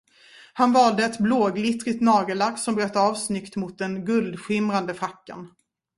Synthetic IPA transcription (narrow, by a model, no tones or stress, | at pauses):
hanvɑːld̪əɛt̪bloːɡlɪt̪ɾɪt̪nɑːɡəlaɡsɔmbɾœt̪ːɑːvsnʏkt̪mʊt̪̚d̪ɛnɡɵld̪ɧɪmɾand̪əfɾakːa̰n